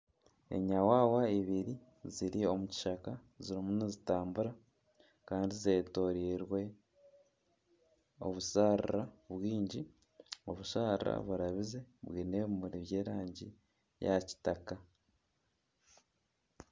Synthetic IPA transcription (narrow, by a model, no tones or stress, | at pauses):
e̞̰ɲawaːwaiβiɾi | ziɾio̞muci̥ʃaka | ziɾimunezitaːmbuɾa | kaːndize̞ːto̞ɾiːɾwe̞ | o̞̰βusaɾiraβwiːɲɟi | o̞βuʃaːɾɾa̰βuɾaβize̞βwiːne̞βumuɾiβje̞ːɾaːɲɟḭ | ja̰ci̥taka